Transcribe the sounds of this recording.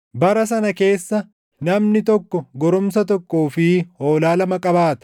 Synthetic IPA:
bɐɾɐs̬ɐnɐke̞ːsːɐ | nɐmnɪt̪ɔkːɔɡɔɾʊmsɐt̪ɔkːoːfɪhoːlaːlɐmɐkʼɐbaːt̪ɐ̥

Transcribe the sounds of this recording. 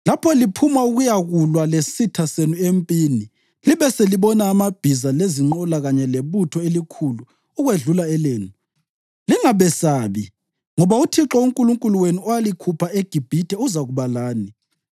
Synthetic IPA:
lapʰɔlipʰumauɣujaɣulwalesitʰasenuempʼini | liβɛseliβɔnaːmab̥ʱizaleziŋ͡ǃɔlaɣaɲɛleβutʰɔelikʰuluː | ɣweɮulaɛleːnu | liŋaβɛsaβi | ŋɔβautʰiǁɔuŋkʼuluŋkʼuluwenuɔalikʰupʰaeɡ̥ʱib̥ʱitʰɛuzaɣuβalaːni

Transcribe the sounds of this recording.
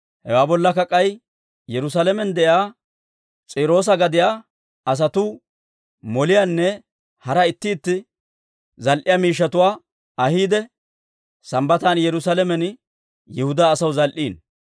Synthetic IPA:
hɛwaːbɔlːɐkɐkʼːɐj | jɛɾʊs̬alɛmɛnd̪ɛʔjaː | t͡sʼiːɾo̞ːs̬ɐɡɐd̪ɪjaː | ɐs̬ɐt̪u | mɔlɪjaːnːɛ | hɐɾɐɪt̪ːɪːt̪ːɪ | zɐlʔɪjaːmiːʃ̬ːɐt̪ʊwaː | ɐhiːd̪ɛ | sɐmbɐt̪aːnjɛɾʊsalɛmɛn | jɛhʊd̪aːsɐwzɐlʔiːn

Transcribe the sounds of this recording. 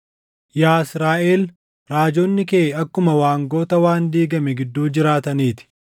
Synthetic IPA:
jaːɪsɾaːʔeːl | ɾaːd͡ʒoːnːɪkeːɐkːʊmɐwaːŋɡo̞ːt̪ɐwaːnd̪iːɡɐmɛɡɪd̪ːuːd͡ʒɪɾaːt̪ɐniːt̪ɪ̥

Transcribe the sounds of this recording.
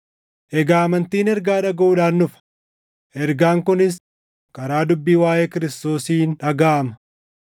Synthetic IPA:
ʔɛɡaːɐmɐnt̪iːnɛɾɡaːᶑɐɡɐʔuːᶑaːnːʊfɐ̥ | ʔɛɾɡaːŋkʊnɪs̬ | kɐɾaːd̪ʊbːiːwaːjeːkɪɾɪst̪o̞ːsiːnᶑɐɡaːʔɐmɐ̥

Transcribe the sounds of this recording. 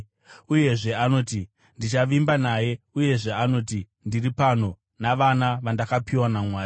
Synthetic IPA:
uje̞ʐe̞ano̞ːti | ndit͡ʃaʋimbanaje̞ | uje̞ʐe̞ano̞ːti | ndiripano̞ | naʋanaʋandakapiwanamwaːr

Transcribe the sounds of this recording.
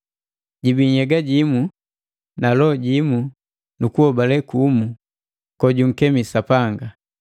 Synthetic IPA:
ɟibiɲ̩hɛɡaɟimu | nalɔɟimu | nukuhɔbalɛkumu | kɔɟuŋ̩kɛmisapaŋɡa

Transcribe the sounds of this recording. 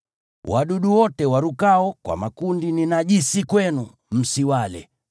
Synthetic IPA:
wʔaɗuɗuwɔtɛwaɾukaɔkwa̰makundininaʄisikwɛnu | m̩siwalɛ̰

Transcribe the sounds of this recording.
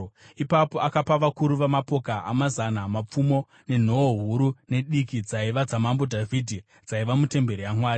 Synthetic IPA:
ipapoakapaʋakuɾuʋamapo̞kaʔa̰mazanamap͡fumo̞ | ne̞n̤o̞oɦuɾune̞ɗikid͡zaiʋad͡zamambo̞dʱavʱidʱi | d͡zaiʋamute̞mbe̞ɾijamwaːɾi

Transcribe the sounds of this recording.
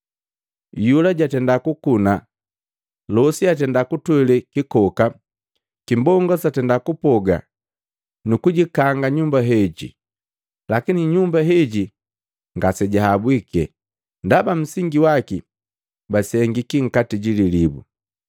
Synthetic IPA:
julaɟatɛndakukuna | lɔsiat̬ɛndakutwɛlɛkikɔka | kimbɔŋɡɔsatɛndakupɔɡa̰ | nukuɟikaŋɡaɲumbaɦɛɟḭ | lakiniɲumbaɦɛɟi | ŋɡasɛɟaɦabwikɛ̰ | ndabam̩siŋɡiwaki | basɛŋɡikiŋ̩katiɟililibṵ

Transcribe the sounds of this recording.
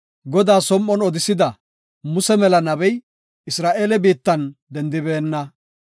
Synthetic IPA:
ɡɔd̪aːsɔmːɔnɔd̪ɪsɪd̪ɐ | mʊsɛmɛlɐnɐbɛj | ɪsɾaːʔeːlɛbiːt̪ːɐnd̪ɛnd̪ɪbeːnːɐ

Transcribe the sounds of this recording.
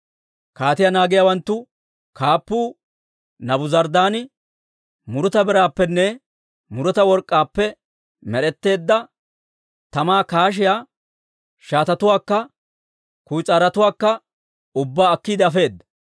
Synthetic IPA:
kaːt̪ɪjanaːɡɪjawɐnt̪ːʊ | kʰaːpːuː | nɐbʊzɐɾd̪aːnɪ | mʊɾʊt̪ɐbɪɾaːpːɛnːɛ | mʊɾɔt̪ɐwɔɾkʼːaːpːɛ | mɛɾɛt̪ːe̞ːd̪ːɐ | t̪ɐmaːkaːʃ̬ɪjaː | ʃaːt̪ɐt̪ʊwaːkːɐ | kʊjt͡sʼaːɾɐt̪ʊwaːkːɐ | ʊbːaːɐkːiːd̪ɛɐfe̞ːd̪ːɐ

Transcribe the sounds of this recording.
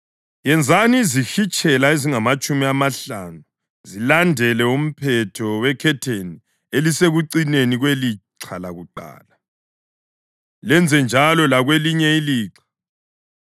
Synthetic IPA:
jɛnd͡zʱanizixit͡ʃʼɛlaeziŋamat͡ʃʼumiamaɬanu | zilandʱɛlɛum̩pʰɛtʰɔwɛkʰɛtʰeni | eliseɣuǀineniɣweliǀʰalaɣuǃa̰ːla | lɛnd͡zʱɛnd͡ʒʱalɔlaɣweliɲɛiliːǀḁ

